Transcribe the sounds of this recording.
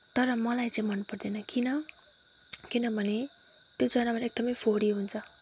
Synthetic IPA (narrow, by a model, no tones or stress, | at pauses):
t̪ʌɾʌmʌlajt͡saĩmʌnpʌrd̪enʌkinʌ | kinʌbʱʌne | t̪jod͡zʌnabaɾek̚d̪ʌmʌjpʰoɾiɦunt͡sʰʌ